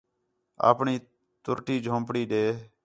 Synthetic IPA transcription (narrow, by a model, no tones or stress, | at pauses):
a̰ːpɳiː | t̪ʊɾʈiːd͡ʒʱõːmpɽiːɗeː